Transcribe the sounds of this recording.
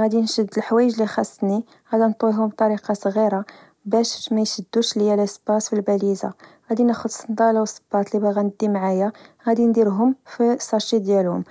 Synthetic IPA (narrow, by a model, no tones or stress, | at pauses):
ɣæd̪inʃəd̪ːəlħwæjəʒlixɑsˤːni | ɣæd̪ænt̪ˤwiɦʊmbt̪ˤɑɾiqɑsˤɣiɾa | bæʃmæjʃəd̪ːuʃljælæsbɑsfilbæliza̰ɣæd̪inæxʊd̪sənd̪ɑlawsˤə̥b̥ɑt̪ˤlibæɣænəd̪ːimʕajaɣæd̪ind̪iɾɦʊmfisˤɑʃid̪jælhʊ̰m